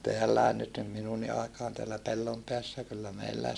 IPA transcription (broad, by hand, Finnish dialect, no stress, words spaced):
teælːæe nyt nim minunːi ɑikɑːn teælːæ pelːompeæsːæ kylːæ meilːæis